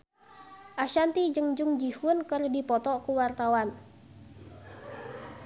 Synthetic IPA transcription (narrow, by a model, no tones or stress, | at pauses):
ʔaʃant̪id͡ʒɨŋd͡ʒuŋd͡ʒihunkərdipɔt̪ɔkuwart̪awan